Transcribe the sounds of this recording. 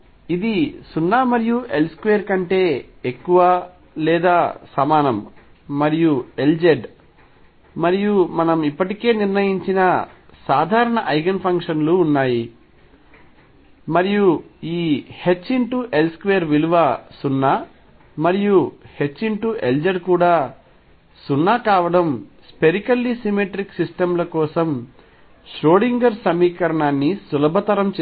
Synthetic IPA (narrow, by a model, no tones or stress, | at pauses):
id̪isunːaːmɐɾijuʔe̞lskʋejɐɾkɐɳʈe̞ːekːuʋa | lɛːd̪aːsɐmaːnɐm | mɐɾijue̞ld͡ʒeɖ | mɐɾijumɐnɐmipːɐʈike̞ːniɾnɐjiɲt͡ʃinɐsaːd̪ʱaːɾɐɳɐʔɐjɡɐnpʰɐŋkʂɐnluːnːaːji | mɐɾijuiːhe̞t͡ʃːiɳʈuʔe̞lskʋejɐɾʋiluʋasunːaː | mɐɾijuhe̞t͡ʃːiɳʈuʔe̞ld͡ʒɐɾkuːɽaː | sunːaːkaːʋɐɽɐmspe̞ɾikɐlːisimeʈɾiksisʈɐmlɐkɔːsɐm | ʃɾoːɽiŋɡɐɾsɐmiːkɐɾɐɳaːnːisulɐbʱɐt̪ɐɾɐmt͡ʃː